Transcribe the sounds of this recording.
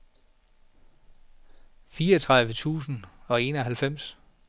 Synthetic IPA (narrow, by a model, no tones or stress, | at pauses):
fiːɒt͡sʰʁɑ̈ðˠʋət͡sʰṵːsn̩ɒ̽e̝ːnɒɦælfem̰s